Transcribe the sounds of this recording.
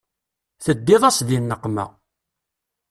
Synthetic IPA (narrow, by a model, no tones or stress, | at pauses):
θəd̪ːɪðˤɑsðinːəqːmæ̰